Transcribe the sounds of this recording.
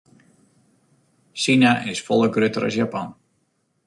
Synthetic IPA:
sinaʔɪsfɔlˠəɡrøtəɾɔ̰sjapan

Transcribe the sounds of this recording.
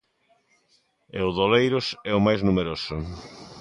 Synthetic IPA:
ḛʊðolejɾʊsɛʊmajznumeɾosʊ

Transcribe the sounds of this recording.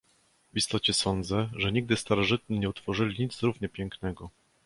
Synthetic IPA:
vist̪ɔt͡ɕɛsɔnd̪zɛʐɛɲiɡ̚d̪ɘst̪aɾɔʐɘt̪̚ɲiɲɛut̪fɔʐɘlʲiɲid̪zɾuvɲɛpʲjɛŋknɛɡɔ

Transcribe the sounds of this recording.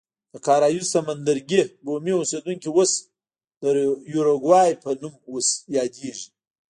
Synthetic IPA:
d̪̥əkʰaːɾajusɐmand̪aɾɡʲeɡomiwused̪uŋkʲiwos | d̪̥əjuɾoɡwajpʰɐnumwosjɑːd̪eʒi

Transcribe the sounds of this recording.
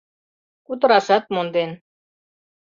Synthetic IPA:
kut̪ɤ̆ɾɑʃɑt̪̚mond̪en

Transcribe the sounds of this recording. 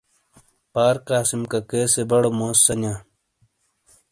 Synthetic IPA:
paːɾkaːsimkɐkeːsebɐɽomoːsːɐnãː

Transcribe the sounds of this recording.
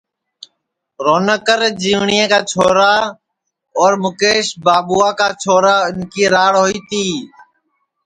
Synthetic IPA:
ɾoːnəkəɾd͡ʒiːʋɳijẽːkaːt͡ʃʰoːɾaː | ɔːɾmʊkeːʃbaːɓuːaːkaːt͡ʃʰoːɾaːɪnkiːɾaːɽɦoiːt̪iː

